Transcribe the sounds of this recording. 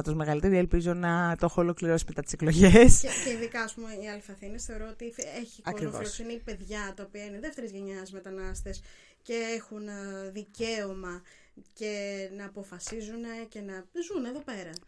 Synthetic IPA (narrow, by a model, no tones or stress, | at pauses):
ɐt̪ozmeɣɐlit̪eɾielpizo̞nɐt̪o̞xlo̞kliɾo̞si̥met̪ɐt̪ise̞klo̞ʝeseceiðikɐːspumeiɐlifɐθinesθe̞oɾoot̪ieçiɐoɾivo̰losineipe̞ðʝɐt̪ɐopiɐineðe̞ft̪e̞ɾizʝe̞ɲɐzmet̪ɐnɐst̪es | ce̞exunðice̞o̞mɐ | ce̞nɐːpo̞fɐsizune̞ce̞nɐzuneðo̞pe̞ɾɐ